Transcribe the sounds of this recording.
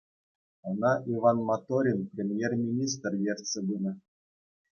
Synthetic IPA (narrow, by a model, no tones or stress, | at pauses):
ɤ̆nɑʔiʋɑnmɑt̪oɾʲinprʲemʲjermʲinʲis̬t̪rvʲerʲsʲĕbunɤ̆